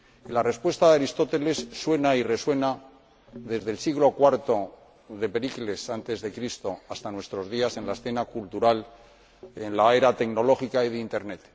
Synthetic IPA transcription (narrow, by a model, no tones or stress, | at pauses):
ilare̞spwe̞st̪aðeaɾist̪ot̪e̞le̞sːwe̞naire̞swe̞na | ðe̞zðe̞lsiɣlo̞kwaɾt̪o̞ | ðe̞pe̞ɾikle̞sant̪e̞zðe̞kɾist̪o̞ast̪anwe̞st̪ɾo̞zð̞iase̞nlae̞sθe̞nakult̪uɾal | enlae̞ɾat̪e̞kno̞lo̞xikaiðint̪e̞ɾne̞t̪